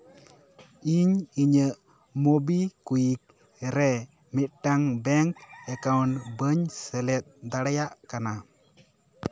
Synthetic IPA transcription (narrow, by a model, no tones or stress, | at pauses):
iɲiɲə | mobikujik̚ | ɾɛ | mɪʈːaŋbɛŋkɛkawnbəɲsɛlɛt̪̚d̪aɽajaʔkana